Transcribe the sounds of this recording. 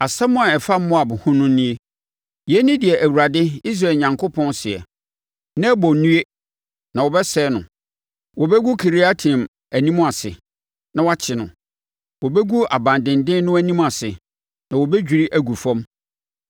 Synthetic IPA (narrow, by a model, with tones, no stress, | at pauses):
a˨sɛ˦mʊ̃˦a˨ɛ˨fa˦m̩˦mʊ̃˦a˨bʊ̃˨hʊ̃˦nʊ̃˦nĩ˦e˦ | jɛ˨˦nɪ̃˦dɪ˨ɛ˨ʔæ˨wu˨ɾa˨dɪ˦i˦s̬ɾaː˨ɲã˨ŋkʰʊ˦pʰɔ̃˦nsɪ˨ɛ̰˨ | nã˦bɔ˨˦nũ˦e˦ | nã˨wɔ˨bɛ˦sɛː˦nʊ̃˨ | wɔ˨bɛ˦ɡu˦kʰi˨ɾi˦a˦tʰĩ˨m | æ˨nĩ˦mʊ̃˦a˨sɪ̰˨ | nã˨wa˦t͡ɕʰɪ˨nʊ̰̃˨ | wɔ˨bɛ˦ɡu˦a̰˨bã˨ndɪ̃˨ndɪ̃˦nʊ̃˦æ˦˨nĩ˦ma˨sɪ˨ | nã˨wɔ˨bɛ˦d͡ʑᶣi˨ɾi˦ʔæ˨ɡu˨fɔ̃˦m